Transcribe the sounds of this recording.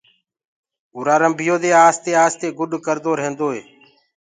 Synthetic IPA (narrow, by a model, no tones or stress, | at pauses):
uːɾaːɾəmbʱɪjoːd̪eːaːst̪eːaːst̪eːɡʊɗkəɾd̪oːɾɦẽːnd̪oːɦeː